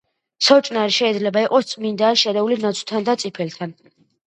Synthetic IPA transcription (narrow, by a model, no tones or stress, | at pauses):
sɔt͡ʃʼnaɾiʃɛid̪zlɛbaiqʼɔst̪sʼmind̪aːʃɛd̪ɛulinat̪sʰʼt̪ʰand̪at̪sʼipʰɛlt̪ʰan